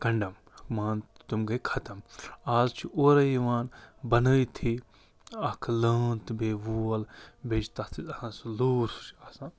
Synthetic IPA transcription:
kɐɳɖɐm | ɐkmaːntt̪umɡɐkʰɐt̪ɐmaːzt͡ʃʰiʔoːɾɐjiʋaːnbɐnəjt̪ʰi | ɐkʰləːnt̪beːʋuːɐlbeːt͡ʃt̪ɐt̪ʰit̪ɐhãnsluːɾt͡ʃʰɐsãː

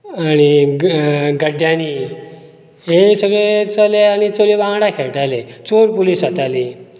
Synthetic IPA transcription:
añi | ɡəɖjani | ɦesəɡɭet͡saleañit͡solibãŋɽakʰeɭʈalet͡soɾpuliːsət̪ali

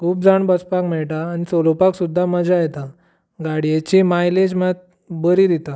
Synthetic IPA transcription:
kʰuːp̚d͡zaɳbəspakmɛɭʈaːnisolopaksud̪ʱːaməd͡zajet̪a | ɡaɽijet͡ɕimajled͡ʑmãt̪̚ | bəɾid̪it̪a

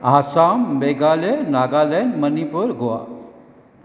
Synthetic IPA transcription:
ɦaːsaːmbeːɡaːlenaːɡaːlɛnmənipuɾɡoa̰

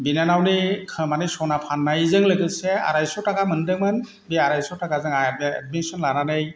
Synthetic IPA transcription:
binanawnikʰɯmanɯsɔnapʰanːajzɯŋlɯɡɯsɛa̰ɾajsɔtakamɯndɯŋman | biaɾajsɔtakazɯŋaɛ̰dminsɔnlananɯj

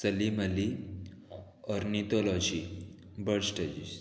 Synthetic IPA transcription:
səliməli | ɔɾnit̪ɔlɔd͡ʑi | bəɽsʈed͡ʑis

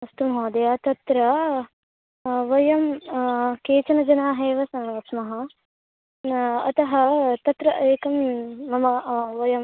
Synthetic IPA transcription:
ɐst̪umɦoːd̪ɐjaːt̪ɐt̪ɾɐ | ʋɐjɐm | keːt͡ʃɐnɐd͡ʒɐnaːɦeːʋɐsɐnʋɐsmɐɦɐ | ɐ̰t̪ɐɦɐt̪ɐt̪ɾɐʔɐːkɐmːɐmɐʋɐjɐm

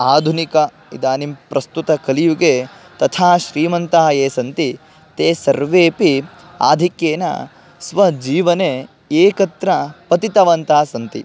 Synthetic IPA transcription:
aːd̪ʱunikɐ | id̪aːnimpɾɐst̪ut̪ɐkɐlijuɡeː | t̪ɐt̪ʰaːʃɾiːmɐnt̪aːɦɐeːsɐnt̪i | t̪eːsɐɾʋeːpi | a̰ːd̪ʱikjeːnɐ̰ | sʋɐd͡ʒiːʋɐne | eːkɐt̪ɾɐpɐt̪it̪ɐʋɐnt̪aːsɐnt̪ḭ

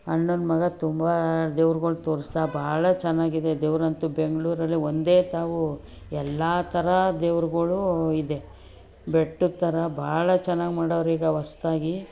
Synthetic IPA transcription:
ɐɳːonmɐɡɐt̪umbɐd̪eːʋɾuɡɐɭut̪o̞ːɾist̪aːbʱaːɭɐt͡ʃɛnːaːɡid̪e̞d̪eːʋɾɐnt̪ube̞ŋɡɐɭuːɾɐlːiond̪e̞ːt̪aːʋu | ɛlːaːt̪ʰɐɾɐd̪eːʋɾuɡɐɭuid̪e̞ | beʈːut̪ːɐɾɐbʱaːɭɐt͡ʃɛnːaːɡimaːɽoʋɾiːɡɐʋɐst̪aːɡi

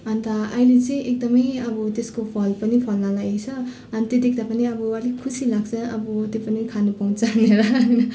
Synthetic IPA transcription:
ʌnt̪ʌajlet͡sij̃ʔek̚d̪ʌmʌjɐbut̪eskopʰʌlpʌnipʰʌlnalajesʰʌː | nt̪ed̪ik̚d̪apʌniʌbualekʰusilaɡ̚sʰʌɐbut̪epɐnikʰanupaw̃t͡saŋneɾaŋnʌ

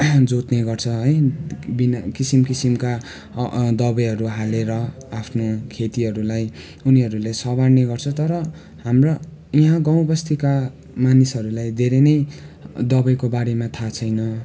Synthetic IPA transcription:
d͡zot̪neɡʌrt͡sʰʌɦʌjbinkisimkisimka | d̪ʌbʌjɦʌɾuɦaleɾʌ | apʰnokʰet̪iɦʌɾulaj | uniɦʌɾulesʌbaɽneɡʌrt͡sʰʌt̪ʌɾʌ | ɦamro | iɦãɡaw̃bʌst̪ʰika | manisɦʌɾulajd̪ʱeɾenʌjd̪ʌbʌjkobaɾemat̪ʰat͡sʰʌjnʌ

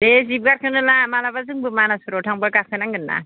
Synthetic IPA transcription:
dezib̚ɡaɾkʰɯnɯnamalabazɯŋbɯmanasuɾotʰaŋbakakʰɯnaŋɡɯnːa̰

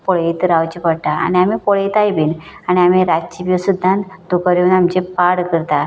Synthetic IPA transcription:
pɔɭit̪ɾawt͡ɕipəɽʈ̪aa̰ɽ̃iamipɔɭeit̪ajbiːnañiam̤iɾat͡ɕibjusud̪ʱːãnd̪ukəɾjunamt͡ɕepaɽkəɾt̪a

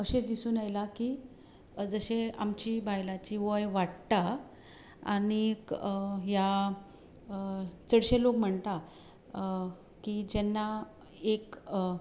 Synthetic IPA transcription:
əɕed̪isuːnajlaki | d͡zəɕeamt͡ɕiːbajlat͡ɕiʋəjʋaɽt̪a | aɽ̃i | ja | t͡səɽɕelokm̤əɳt̪a | kid͡ʑɛnːa | ek

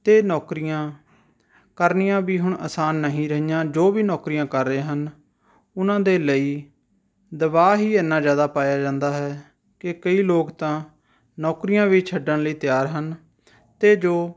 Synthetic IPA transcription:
t̪eːnɔːkɾɪjãː | kəɾnɪjãːbiːɦʊɳə̰saːnːəɦĩːɾəɦijãːd͡ʒoːʋiːnɔːkɾijãːkəɾːẽːɦən | ʊnãːd̪eːləiː | d̪əʋaːɦiːənːaːzjaːd̪aːpaːjaːd͡ʒãːnd̪aːɦɛː | kɪkəiːloːkt̪ãː | nɔːkɾijãːʋiːt͡ʃʰəɖəɳləiːt̪ɪjaːɾɦən | t̪eːd͡ʒoː

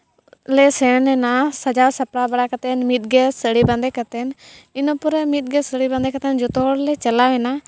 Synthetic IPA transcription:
leːseneːnaːsəd͡ʒaːɾsəpɽaːbəɽaːkət̪enmit̪̚ɡeːsəɽiːbãnd̪eːkət̪enɪnõːpʊɾemit̪̚ɡeːsəɽiːbãnd̪eːkət̪end͡ʒʊt̪oːɽleːt͡ʃəlaːʋenaː

